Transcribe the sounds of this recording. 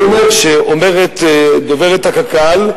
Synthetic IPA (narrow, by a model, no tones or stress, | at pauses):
omeʁʃeʔomeʁet̪d̪oveʁet̪hakakal